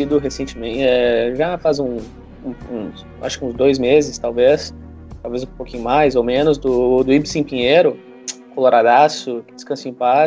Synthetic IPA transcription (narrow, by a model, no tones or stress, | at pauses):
id̪ʊɦesẽnt͡ʃɪmẽt͡ʃɛʒafazũ | ũũs | ʔa̰ʃʊ̥kɪũzd̪ojzmezɪst̪awves | t̪awvezʊ̃pokʲĩɲʊmajzowmẽnʊzd̪ʊd̪ʊibsẽpĩɲeɾʊ | koloɾad̪asʊkɪd͡ʒɪ̥skɐ̃sʊẽpa